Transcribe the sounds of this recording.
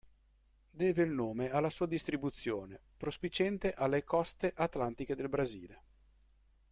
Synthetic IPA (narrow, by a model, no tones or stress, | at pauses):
d̪ɛːveilnoːmealːasuːad̪ist̪ɾibut̪sːjoːnepɾospit͡ʃɛnt̪eʔalːekɔst̪eʔat̪lant̪iked̪elbɾaziːle